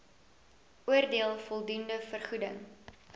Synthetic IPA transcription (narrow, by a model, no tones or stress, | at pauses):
uərdiəlˠfɔlˠdundəfərχudəŋ